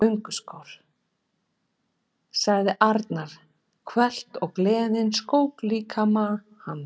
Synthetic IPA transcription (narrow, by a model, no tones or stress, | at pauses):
œɥŋkʏskɔwɾ̥ | saɣðɪʔaɾt̪naɾ̥ | kʰvɛl̥t̪ɔɣklɛːðɪnskoːwkliːkʰama | han